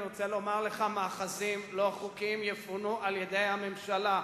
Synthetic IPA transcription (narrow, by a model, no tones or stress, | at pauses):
ʁot͡selo̞maʁleχamaːχazimlo̞χukimjefunuʔaljed̪e̞jhame̞mʃala